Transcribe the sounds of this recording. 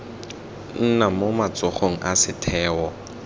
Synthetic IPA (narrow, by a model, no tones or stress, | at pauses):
n̩namomat͡sʼɔχoŋ̩ʔasɪtʰɛːwɔ